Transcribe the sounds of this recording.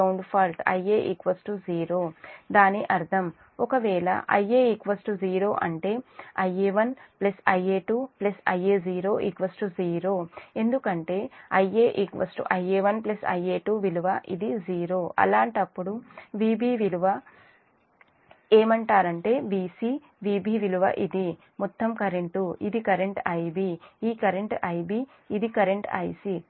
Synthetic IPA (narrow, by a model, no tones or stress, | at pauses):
ɐwɳɖpʰaːlʈɐ̰jeːʔikʋɐsʈuziːɾoːd̪aːniʔɐɾt̪ʰɐm | ɔkɐʋɛːɭɐ̰ʔɐjeːikʋɐsʈuziːɾo̞ːʔɐɳʈe̞ːɐjeːʋɐnplɐsɐjeːʈuːplɐsɐjeːziːɾo̞ːʔikʋɐsʈuziːɾo̞ːe̞nd̪ukɐɳʈe̞ːɐjeːʔikʋɐ̰sʈṵʔɐjeːʋɐnplɐsɐ̰jeːʈuːʋiluʋɐʔid̪iziːɾoːʔɐ̰laːɳʈɐpːuɽuʋiːbiːʋiluʋɐ | eːmɐɳʈaːɾɐɳʈe̞ːʋiːsiː | ʋiːbiːʋiluʋɐ̰ʔid̪i | mɔt̪ːɐmkɐɾeɳʈuḭd̪ikɐɾe̞ɳʈɐjbiiːkɐɾeɳʈɐjbiː | d̪ikɐɾeɳʈɐ̰jsi